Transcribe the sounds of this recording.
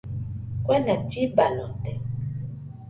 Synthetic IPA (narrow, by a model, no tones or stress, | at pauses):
kwɛnatibanɔtɛ